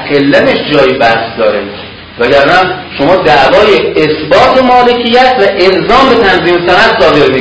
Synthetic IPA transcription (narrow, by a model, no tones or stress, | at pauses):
qelːæmeʃd͡ʒɒːjibæhsd̪ɒːɾḛ | væɟæɾd̪ænʃomɒːd̪æʔvɒːjeːsbɒːt̪ʰomɒːle̞cʰijːæt̪ʰvæʔelzɒːmbe̞t̪ʰænziːmesænæt̪sɒːd̪e̞ɾmi